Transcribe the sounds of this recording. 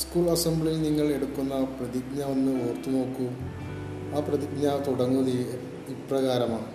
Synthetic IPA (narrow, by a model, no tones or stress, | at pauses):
skuːɭɐsɐmbɭijilniŋːɐɭe̞ɽukːunːɐprɐðiɡnɐʋonːɨoːrt̪ːuno̞ːkːum | aːprɐðiɡnat̪uɽɐŋːuði | iprɐɣaːɾɐmaːɳɨ